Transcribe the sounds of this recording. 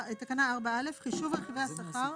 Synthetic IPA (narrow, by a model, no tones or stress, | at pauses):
it̪akanaːʁbaalefχiʃuvalχivejasaχaʁ